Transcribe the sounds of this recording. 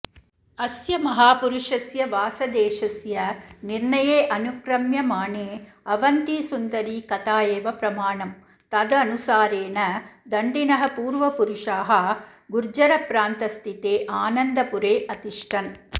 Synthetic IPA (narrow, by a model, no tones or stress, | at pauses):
ɐsjɐmɐɦaːpuɾuʂɐsjɐʋaːsɐd̪eːʂɐsjɐniɾɳɐjeːʔɐnukɾɐmjɐmaːɳeː | ɐʋɐnt̪iːsund̪ɐɾiːkɐt̪aːjeːʋɐpɾɐmaːɳɐm | t̪ɐd̪ɐɐnusaːɾeːnɐd̪ɐɳɖinɐɦɐpuːɾʋɐpuɾuʂaːɦɐ | ɡuɾd͡ʒɐɾɐpɾaːnt̪ɐst̪ʰit̪eːʔaːnɐnd̪ɐpuɾeːʔɐt̪iʂʈʰɐn